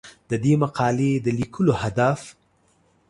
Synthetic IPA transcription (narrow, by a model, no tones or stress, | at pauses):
d̪̥əd̪emaqɑled̪əlikʰəlohad̪af